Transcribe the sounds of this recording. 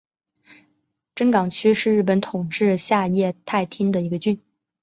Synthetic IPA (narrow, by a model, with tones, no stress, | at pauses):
ʈ͡ʂə˥ŋkɑ˨˩ŋt͡ɕʰy˥ʂɻ̩˥˧ɻ̩˥˩pə˧˥nt̪ʰʊ˨˩ŋʈ͡ʂɻ̩˥˧ɕja˥˧jɛ˥˧t̪ʰa˥˩ɪt̪ʰi˥ŋd̪ə˨i˧˥ɡə˧t͡ɕy˥˩n